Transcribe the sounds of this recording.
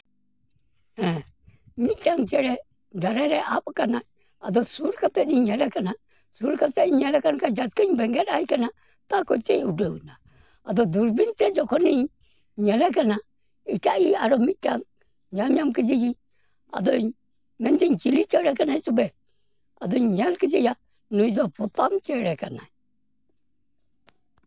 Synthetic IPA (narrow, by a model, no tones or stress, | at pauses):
hɛ | mitaŋt͡ʃɛɾɛ | d͡ʒaɾɛɾɛʔapkana | adɔsuɾkapɛniɲɛlɛkana | suɾkatɛiɲɛlɛkankad͡ʒaskaɲbɛŋɡɛɾajikana | takoteudowna | adɔduɾbintɛd͡ʒɔkɔni | ɲɛlɛkana | itaʔiaɾɔmitaŋ | ɲalɲamkid͡ʒiɡi | a̰dɔ | mɛntiɲt͡ʃilit͡ʃɛɾɛkanajsʊbɛ | adɔɲalkid͡ʒija | nuizɔpʊtamt͡ʃɛɾɛkana̰j